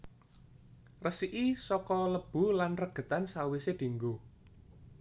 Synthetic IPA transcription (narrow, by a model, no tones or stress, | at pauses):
rəsiʔisɔkɔləb̥ṳlanrəɡ̥ə̤t̪ansawised̪̥i̤ŋɡo